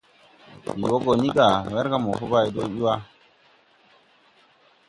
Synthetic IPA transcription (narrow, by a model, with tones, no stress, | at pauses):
i˨wo˦ɡo˨ni˦ɡa˨we˦ɾka˦mo˨fo˦ba˦˨i˨do˦ɓi˦wa˦